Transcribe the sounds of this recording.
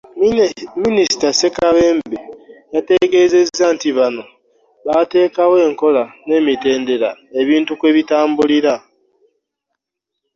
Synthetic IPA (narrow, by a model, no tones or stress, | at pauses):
minisi̥tase̞kaβe̞ːmbejate̞ɡe̞zezantiβano̞ | βate̞ːkawe̞ːŋko̞lane̞ːmite̞ːnde̞ɾaeβiːntukwe̞ːβitaːmbuliɾa